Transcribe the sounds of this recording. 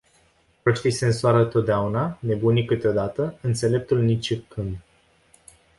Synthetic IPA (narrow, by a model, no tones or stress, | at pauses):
pəʃt̪ise̞ɨnsoaɾət̪o̞t̪̚d̪eaunane̞bunikɨt̪eo̞d̪at̪əɨnt̪se̞le̞p̚t̪ulnit͡ʃikʰɨnd̪